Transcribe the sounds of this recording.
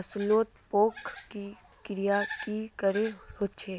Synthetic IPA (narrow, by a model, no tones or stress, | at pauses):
ɐsloːt̪poːkʰːi | kɾijakikəɾeɦoːt͡ʃʰeː